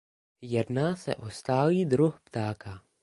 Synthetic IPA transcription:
jɛdnaːsɛ̰ʔo̞st̪aːliːd̪ɾuxpt̪aːka

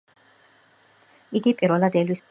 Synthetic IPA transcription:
iɡipʼiɾɔlad̪ɛlwis

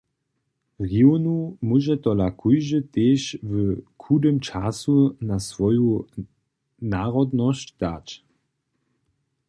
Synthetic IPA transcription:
ʁionumuʒɛt̪ɔlakʰujʒət̪eːvəkʰudəmt͡ʃasunasʋɔju | naːʁɔdnɔɕt͡ɕd̥̪at͡ʃ

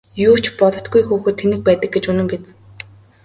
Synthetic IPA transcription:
juːt͡ɕpɔt̪ɞ̆t̪̚ɡujxuːxɘ̆ːt̪ʰːenɘ̆k̚pæːt̪ə̆k̚ɡet͡ɕɵnɘ̆mpet͡s̆ŋ

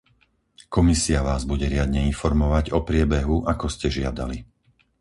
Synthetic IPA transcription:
kɔmisiaʋaːzbuɟɛɾɪad̪ɲɛinfɔɾmɔʋaɟɔpɾɪɛbɛɦuʔakɔscɛʒɪad̪a̰li

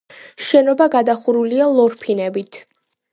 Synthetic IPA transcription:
ʃɛnɔbaɡad̪aχuɾulialˠɔɾpʰinɛbit̪ʰ

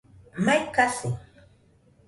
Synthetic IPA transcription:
majkasɪ

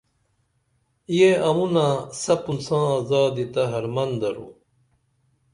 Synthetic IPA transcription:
jjeɐmunãsɐpunsãːaːzaːd̪it̪ɐɦɐɾmɐnd̪ɐɾṵ

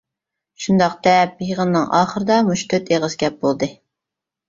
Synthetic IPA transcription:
ʃund̪ɑq̚d̪ɛp̚jəʁənːɨŋɑ̰ːχəɾɨd̪ɑmuʃt̪ʰøt̪eʁəzɡʲɛp̚bolˠd̪ɨ

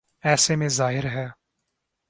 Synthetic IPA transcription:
ɛːsemẽzaːɦɪɾɦɛː

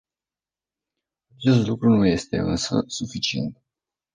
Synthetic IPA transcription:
at͡ʃe̞st̪lukɾunuje̞st̪e̞̰ɨnsə̰sufit͡ʃiḛnt̪

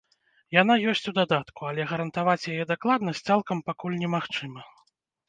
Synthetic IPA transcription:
jan̪ajɔsʲt͡sʲud̪ad̪at̪kualʲɛɣɐɾɐnt̪avat͡sʲjajɛd̪aklˠad̪nɐsʲt̪salˠkɐmpakulʲnʲɛmaxt͡ʂɨmɐ

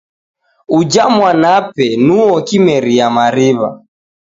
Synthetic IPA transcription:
ud͡ʒamwanapɛnuɔkimɛɾiamaɾiβa̰

